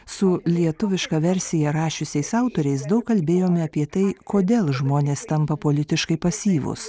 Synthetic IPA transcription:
sʊlʲiɛt̪ʊʋʲɪʃkɐːʋʲɛɾʲsʲɪjɛɾɑːʃʲʊsʲɛɪsɑˑʊt̪oːɾʲɛɪsd̪ɐʊkkɐlʲbʲeːjoːmʲɪɐpʲiɛt̪ɐɪkoːd̪ʲeːlˠʒmoːnʲeːst̪ʲɐmpɐpoːlʲɪt̪ʲɪʃkɐɪpɐsʲiːʋʊ̰s

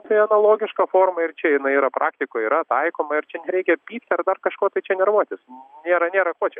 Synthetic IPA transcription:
t̪ɐɪɐnɐlˠoːɡʲɪʃkɑfoːrmɐɪrt͡ʃʲɛɪnɐɪiːɾɐpɾʔɑːkt̪ʲɪkoːiːɾɐt̪ɐɪkoːmɐɪrt͡ʃʲɛnʲɛɾʲɛɪkʲɛpʲiːt̪ʲɐrd̪ɐrkɐʃkoːt̪ɐɪt͡ʃʲɛnʲɛrʋuɔt̪ʲɪsnʲeːɾɐnʲeːɾɐkoɔt͡ʃʲɛ

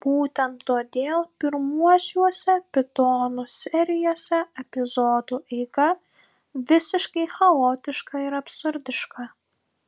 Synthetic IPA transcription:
b̥uːt̪ʲɛnt̪ːoɔd̪ʲeːlˠpʲɪɾmuɔsʲuɔsʲɛpʲɪt̪oːnusʲɛɾʲɪjoːsʲɛɛpʲɪzoːd̪uːʔɛɪɡɐ | ʋʲɪsʲɪʃkɐɪxɐoːt̪ʲɪʃkɐɪɾɐpsʊɾʲd̪ʲɪʃkɐ

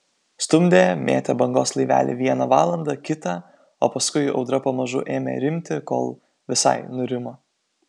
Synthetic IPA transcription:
st̪ʊmʲd̪ʲemʲḛːt̪ʲɛbɐŋɡoːslˠɐɪʋʲæ̰ːlʲḛʋʲiɛnɐʋɑːlˠɐnd̪ɐkʲɪt̪ɑ | o̰ːpɐskʊɪɐ̰ʊd̪ɾɐpɐmɐʒʊʔeːmʲḛɾʲɪmʲt̪ʲɪko̰ːlˠ | ʋʲɪsɐ̰ɪnʊɾʲɪmoː

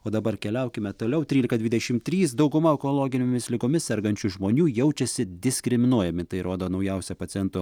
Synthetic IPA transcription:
oːd̪ɐbɐɾkʲɛlʲɛʊkʲɪmʲɛt̪oːlʲɛʊt̪ʲɾʲiːlʲɪkɐd̪ʲʋʲɪd̪ʲɛʃʲɪmt̪ʲɾʲiːsd̪ɒʊɡʊmɐokoːlˠoːɡʲɪnʲomʲɪsʲlʲɪɡoːmʲɪssʲɛɾɡɐnʲt͡ʃʲʊʒmoːnʲuːjɛʊt͡ʃʲɛsʲɪd̪ʲɪsʲkɾʲɪmʲɪnuɔjɛmʲɪt̪ɐɪɾoːd̪oːnɐʊjɛʊsʲɛpɐt̪ʲɪjɛnt̪ʊ

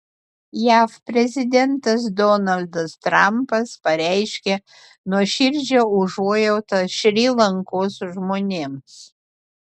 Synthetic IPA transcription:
jæːfpʲɾʲɛzʲɪd̪ʲɛnt̪ɐs̬d̪ɔnɐlʲd̪ɐst̪ɾɐmpɐspɐɾʲɛɪʃʲkʲe | nuɔʃʲɪɾʲd͡ʒʲoːʊʒuɔjɛːt̪ɐʃʲɾʲiːlˠɐŋkoːsʒmoːnʲeːms

